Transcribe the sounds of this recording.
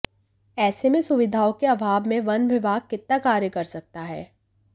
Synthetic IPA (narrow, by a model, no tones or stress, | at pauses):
ɛːsemẽsʊʋɪd̪ʱaːokeɐbʱaːbmẽʋɐ̃nbɪʋaːɡ̚kɪt̪̚nakaːɾjəkɐɾsɐk̚t̪aɦɛ̰ː